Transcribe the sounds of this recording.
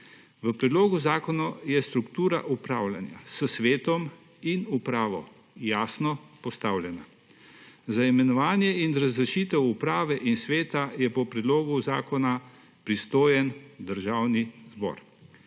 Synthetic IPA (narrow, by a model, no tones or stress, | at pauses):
ʋəpɾɛd̪loːɡuzaːkɔnɔjɛst̪ɾukt̪uːɾa̰ʔupɾaːwla̰nja̰səsʋeːt̪ɔm | inupɾaːʋɔ̰ | jaːsnɔpɔst̪aːwlʲjɛna | zaimɛnɔʋaːnjɛinɾazɾɛʃiːt̪ɛwupɾaːʋɛʔinsʋeːt̪ajɛpɔpɾɛd̪loːɡuzaːkɔna | pɾist̪oːjɛnd̪əɾʒaːwnizbɔ̰ːɾ